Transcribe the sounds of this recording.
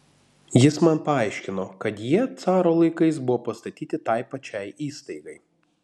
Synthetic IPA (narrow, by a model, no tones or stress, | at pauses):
jɪsmɐnpɐɐɪʃʲkʲɪnokɐt̪jiɛt̪sɑːɾoːlˠɐɪkɐɪsbʊʋoːpɐst̪ɐt̪ʲiːt̪ʲɪt̪ɐɪpɐt͡ʃʲɛɪiːst̪ɐɪɡɐɪ